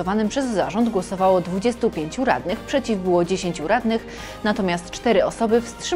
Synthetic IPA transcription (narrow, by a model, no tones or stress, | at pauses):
ɔvanɘpʂɛzːaʐɔnd̪ɡwɔsɔvawɔd̪vud͡ʑɛst̪upʲjeɲt͡ɕuɾa̰d̪nɘxpʂɛt͡ɕivbɘwɔd͡ʑeɕeɲt͡ɕuɾad̪nɘx | nat̪ɔmʲjast̪t͡ʂt̪ɛɾɘɔsɔbɘfst̪ʂɘ